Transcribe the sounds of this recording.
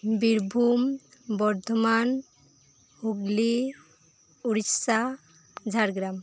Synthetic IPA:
biɾbʱumbɔɾd̪ʱɔman | huɡli | uɾisa | d͡ʒʱaɾɡɾam

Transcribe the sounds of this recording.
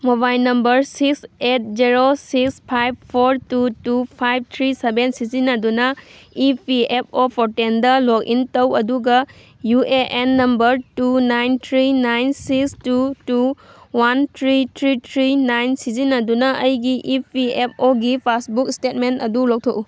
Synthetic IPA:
mobajlnɐmbɐɾsikset̚d͡ʒiɾosikspʰajb̚pʰoɾtutupʰajb̚t̪ʰɾisebensizinɐdunɐipʰiep̚ʰopʰoɾtendɐlok̚ḭntɐwɐduɡɐ | juʔeʔenːɐmbɐɾtunajnt̪ʰɾinajnsikstutuwant̪ʰɾit̪ʰɾitʰɾinajnsizinɐdunɐʔɐjɡiʔipʰiep̚oɡipʰasbukistet̚mentɐdulok̚tʰoʔu

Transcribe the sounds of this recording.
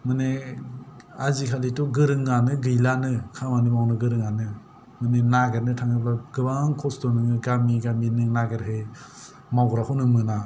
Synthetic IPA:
mɯne | azikʰalitɔɡɯɾɯŋːanɯɡɯjlanɯkʰamanɯbawnɯɡɯɾɯŋanɯ | mɯnenaɡəɾnɯtʰaŋɯplaɡɯbaŋkʰɔstɔnɯŋɯɡamiɡaminɯnaɡəɾɦe | maɡɾakʰunɯmɯna

